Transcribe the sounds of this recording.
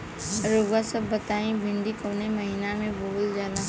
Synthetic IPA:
ɾoːɡasəbːət̪aːĩbʱɪ̃ɳɖikoːnemɐɦinamẽboːld͡ʒaːlãː

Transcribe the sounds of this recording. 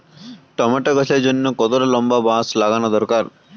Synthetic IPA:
ʈɐmɐʈɐɡɐsed͡ʒunːukɔt̪ɐɾɐlɐmbɐbaːslaɡɐnɐd̪ɔɾkaːɾ

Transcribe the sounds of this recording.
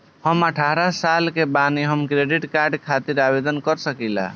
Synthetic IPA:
həməʈʰaɾasalkebaniɦəmkɾeɖiʈkaɾɖkʰat̪iɾabed̪ənkəɾsəkɛla̰

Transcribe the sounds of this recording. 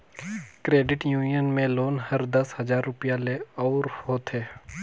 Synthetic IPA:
kɾeːɖɪʈjuːnijənmẽloːnɦɐɾd̪ɐshɐzaːɾːʊpijaleɔːɾhoːt̪ɦeː

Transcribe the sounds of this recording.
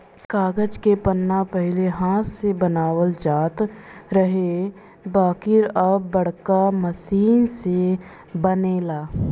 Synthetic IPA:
kaːɡəd͡ʒkepənːapəɦɪleɦãːt̪sebənaːwəld͡ʒaːt̪ɾəɦe | baːkɪɾəːɐɽkaməsiːnse | bəneːlaː

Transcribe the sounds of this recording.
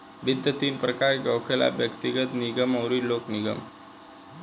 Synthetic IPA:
bʱit̪ːət̪iːnpɾəkaɾɡəwkʰela̰bjəkt̪iɡət̪niɡəməwɾiːlokniɡə̰m

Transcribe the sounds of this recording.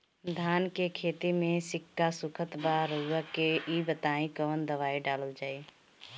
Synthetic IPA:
d̪ʱaːnkekʰeːt̪imẽsɪkːasʊkʰət̪baɾəuakeʔibət̪aːĩkəʋənd̪əʋaːiɖaːləld͡ʒaːi

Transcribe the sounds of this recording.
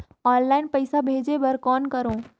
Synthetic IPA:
ɔːnlaːɪnpəɪsabʱeːd͡ʒebɐɾkɔːnkəɾõː

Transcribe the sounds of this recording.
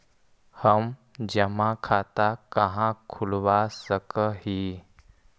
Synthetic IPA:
həmd͡ʑəmãkʰat̪akəɦãkʰulʋasəkəɦi

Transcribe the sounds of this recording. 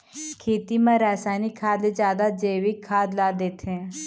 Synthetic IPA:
kʰeːt̪imãɾɛːsaːnikʰːaːd̪ed͡ʒjaːd̪ad͡ʒeːʋikʰːaːd̪laːd̪eːt̪ʰɛ̃ː

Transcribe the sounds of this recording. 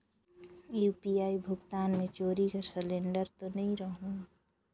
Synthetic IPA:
juːpiaːibʱʊɡt̪aːnmẽt͡ʃoːɾikasəlẽːɳɖəɾt̪onəɦĩɾəɦũ

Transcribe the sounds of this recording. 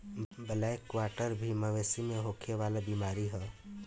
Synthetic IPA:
bəlaekʋaːɾʈəɾbʱiməʋesimẽɦoːkʰeʋaːlabiːmaːɾiɦɛː

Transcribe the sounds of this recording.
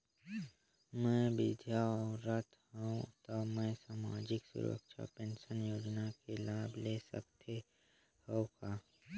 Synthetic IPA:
mɛ̃bɪd̪ʱjaɔɾət̪ʰɦaũt̪ɔmɛ̃saːmaːd͡ʒɪksʊ̰ɾə̰kʃa̰pẽnʃənjoːd͡ʒnakelaːblesə̰kt̪ʰe | hokaː

